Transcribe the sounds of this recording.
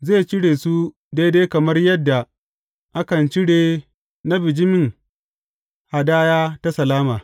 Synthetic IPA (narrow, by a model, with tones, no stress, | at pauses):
zeː˦˨t͡ʃɪ˦ɽeː˨su˦ | deː˦deː˦kɐ˨mɐ˦rjɐ˦dːa˨ | ʔa˦kɐ˨nt͡ʃɪ˦ɽeː˨ | na˦bɪ˨d͡ʒɪ˦mɪ˦˨ŋ | ha˨daː˦jaː˦ta˦sɐ˨laː˦maː˨